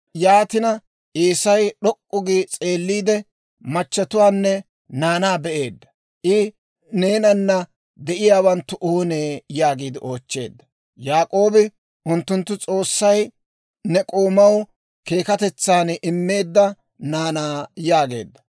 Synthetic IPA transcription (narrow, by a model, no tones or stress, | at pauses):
jaːt̪ɪnɐ | ʔiːsɐjɗɔkʼːʊɡit͡sʼe̞ːlːiːd̪ɛ | mɐt͡ʃːɐt̪ʊwaːnːɛ | naːnaːbɛʔe̞ːd̪ːɐ̥ | ʔɪ | ne̞ːnɐnːɐ | d̪ɛʔɪjaːwɐnt̪ːʊʔoːneːjaːɡiːd̪ɪʔo̞ːt͡ʃːe̞̰ːd̪ːɐ̥ | jaːkʼo̞ːbɪ | ʔʊnt̪ːʊnt̪ːʊt͡sʼo̞ːsːɐj | nɛkʼoːmɐw | ke̞ːkɐt̪ɛt͡sːaːnʔɪmːe̞ːd̪ːɐ | naːnaːjaːɡe̞̰ːd̪ːɐ̥